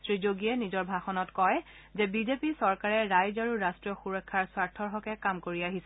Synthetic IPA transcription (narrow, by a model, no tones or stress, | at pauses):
tɹizoɡiɛnizɔɹbʱaxɔnɔtkɔjzɛbizepisɔɹkaɹɛɹajzaɹuɹastɹiɔxuɹɔkʰːaɹswaɹtʰːɔɹɦɔkɛkamkoɹiaɦisɛ